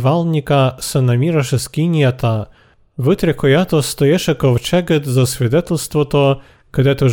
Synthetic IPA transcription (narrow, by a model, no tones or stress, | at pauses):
ʋɑlˠnʲikɐsenɐmʲiɾɐʃeskʲinʲijɐt̪ɐ | ʋɪt̪ɾʲekɔjat̪ɔst̪ɔjɛʃɛkɔwt͡ʃɛɡet̪zɐsʲʋʲid̪ɛt̪elʲst̪ʋɔt̪ɔ | kɐd̪ɛt̪ɪ